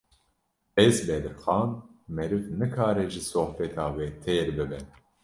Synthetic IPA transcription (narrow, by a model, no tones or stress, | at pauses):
ɛzbɛd̪ɨɾxɑːnmɛɾɨvnɨkʰaːɾɛʒɨsoːhfɛt̪ʰɑːweːt̪ʰeːɾbɨbɛn